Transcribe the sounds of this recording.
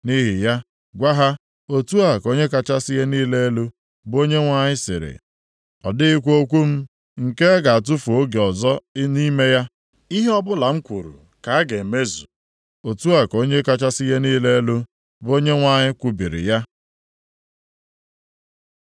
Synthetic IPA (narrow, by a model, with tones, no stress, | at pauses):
ni˦ɦɪ˨ja˦ | ɡʷa˦ɦa˦ | o˨tu˦a˨ko˦ɲe˦ka˨t͡ʃa˦sɪ˦je˦niː˦le˦e˦lu˦ | bo˦ɲe˦ŋʷa˦ɲɪ˦sɪ̰˨ɾɪ̰˨ | ɔ̰˨dɪ˦ɪ˦kʷo˦kʷu˦m̩˦ | ŋ̩˨ke˦ɡa˨a˨t̬ʊ˦fu˨o˦ɡe˨ɔ˨zɔ˦ni˦me˦ja˦ | i˦ɦe˦ɔ˦bʊ˦la˨ŋ̩˦kʷu˨ɾṵ˨ | ka˨a˦ɡe˨me˦zṵ˨ | o˨tu˦a˨ko˦ɲe˦ka˦t͡ʃa˦sɪ˦je˦niː˦le˦lu˦ | bo˦ɲe˦ŋʷa˨ɲɪ˦kʷu˨bi˨ɾɪ̰˨ja˦